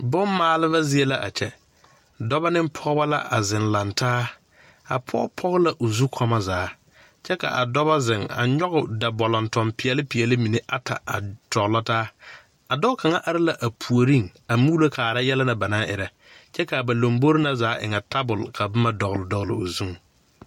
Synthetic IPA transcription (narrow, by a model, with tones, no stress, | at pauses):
bʊ˦mmaː˨˦lɪ˦ba˦zɪ˦ɛ˦la˦ʔa̰˨t͡ʃɛ˦ | dɔ˦ba˦nɪ˦mpʰɔ˦ɡba˦la̰˦ʔa̰˨zɪ˨nla˨ntʰaː˦ | a̰˨pʰɔ̰˦pʰɔ˦ɣʊ˦la˨ʔo˨zu˦kʰɔ˦ma˦zaː˨˦ | t͡ʃɛ˦ka̰˨ʔa̰˨dɔ˦ba˦zɪ˨ŋa̰˨ɲɔ˦ɣʊ˨da˨bɔ˨lɔ˨ntɔ˨mpɪ˨ɛ˨lɪ˦pɪ˨ɛ˨lɪ˦mi˨ne˦ʔa˦tʰa̰˨a̰˨tɔ˨ɣlɔ˦taː˦ | a˨dɔ˦kʰa˨ŋa˦ʔa˨ɾɪ˦la˨ʔa˨pʰu˨o˨ɾi˦ŋa˨muː˦la˦kʰaː˨ɾa˦jɛ˦la˦na˨ba˨naː˦ʔɪ˨ɾa˨ | t͡ʃɛ˦ka˨ba˨lo˨mbo˦ɾɪ˦na˦zaː˨˦ʔɪ̰˨ŋa˨ta˦bʊ˨lkʰa˨bɪ˦ma˦dɔ˨ɣlɪ˨dɔ˨ɣlɪ̰˨o˨zu˦ŋ˨